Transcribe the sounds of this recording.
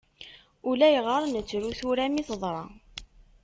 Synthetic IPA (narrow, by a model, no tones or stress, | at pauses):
ulæjəʁəɾˤnət͡sːɾuθuɾæmiθðˤɾˤɑ